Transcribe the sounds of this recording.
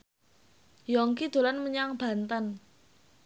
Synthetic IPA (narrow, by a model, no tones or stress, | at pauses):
jɔŋkid̪̥o̤lanməɲaŋb̥a̤nt̪ən